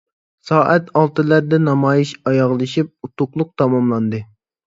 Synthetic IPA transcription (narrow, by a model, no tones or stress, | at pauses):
sɑːʔɛt̪ɑlˠt̪ɨlæɾd̪ɛnɑmɑːjiʃɑjɑʁlˠɨʃip̚ut̪ʊqlˠʊq̚t̪ʰɑmɑmlˠɑnd̪ɨ